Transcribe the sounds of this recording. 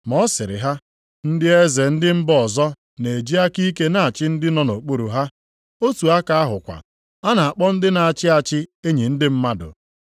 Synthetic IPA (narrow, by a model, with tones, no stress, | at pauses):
mɔ˦sɪ˨ɾɪ̰˨ɦa˦ | n̩˦dɪ˦e˦ze˨n̩˦dɪ˦m̩˦bɔ˨zɔ˦ | ne˨e˨d͡ʒi˦a˦ki˦ke˦na˨a˨t͡ʃɪ˦n̩˦dɪ˦nɔ˨no˨k͡po˦ɾu˨ɦa˦ | o˦tu˨a˦ka˨a˦ɦʊ˨kʷa̰˨ | a˦na˨a˨k͡pɔ˦n̩˦dɪ˦na˨a˨t͡ʃɪ˦a˨t͡ʃɪ˦e˦ɲi˨n̩˦dɪ˦m̩˦ma˦dʊ̰˨